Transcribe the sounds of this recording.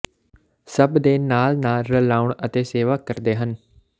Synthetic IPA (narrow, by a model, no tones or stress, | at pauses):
səbd̪eːnaːlnaːlɾəlaːʊɳət̪eːseːʋaːkəɾd̪eːɦən